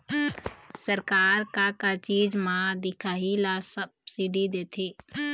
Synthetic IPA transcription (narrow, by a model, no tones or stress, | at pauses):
səɾkaːɾkakat͡ʃiːd͡ʒmãd̪ɪkʰaːɦilasəbsiɖid̪eːt̪ʰe